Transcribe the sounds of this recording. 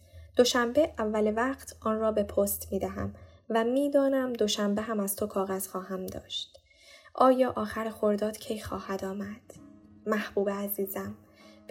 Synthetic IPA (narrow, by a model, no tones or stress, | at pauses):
d̪̥o̞ʃæmbe̞ʔævːælevæqt̪ʰʔɒːnrɒːbe̞pʰoːst̪miːd̪æɦæ̰mvæmiːd̪ɒːnæmd̪o̞ʃæmbeɦæmæz̥t̪ʰo̞kʰɒːɣæz̥xɒːɦæmd̪ɒ̰ːʃt̪ | ʔɒːjɒːʔɒːxæɾxo̞ɾd̪ɒːd̪̥cʰe̞jxɒːhæd̪ɒːmæd̪̥ːæhb̥uːbeæziːzæm | b